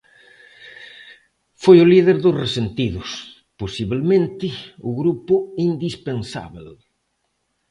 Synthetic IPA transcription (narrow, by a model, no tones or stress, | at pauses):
fojʊliðeɾðʊsresent̪iðʊs | posiβelmẽnt̪ɪʊɣɾupʊind̪ispensa̰βel